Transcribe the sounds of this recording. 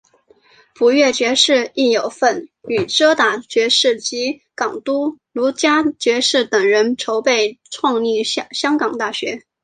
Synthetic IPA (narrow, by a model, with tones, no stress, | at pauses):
pu˧˥ɥɛ˥˩t͡ɕɥɛ˧˥ʂɻ̩˥˧i˥˩jo˨˩ʊfə˥˩ny˨˩ʈ͡ʂɤ˥t̪a˨˩t͡ɕɥɛ˧˥ʂɻ̩˥˩t͡ɕi˧˥kɑ˨˩ŋt̪u˥lu˧˥t͡ɕja˥t͡ɕɥɛ˧˥ʂɻ̩˥˩t̪ɤ˨˩ŋɻə˧˥nʈ͡ʂʰo˧˥ʊpe˥˩ɪʈ͡ʂʰwɑ˥˧ŋli˥˩ɕjɑ˥ŋkɑ˨˩ŋt̪a˥˩ɕɥɛ˧˥